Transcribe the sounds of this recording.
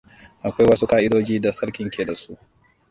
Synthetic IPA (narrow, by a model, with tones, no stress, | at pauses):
ʔa˨kʷa˦jwɐ˦su˦kaː˦ʔɪ˦doː˦d͡ʒiː˦da˨sɐ˦ɽkʲɪ˨˦ŋkʲʰeː˨da˨su˦ʔ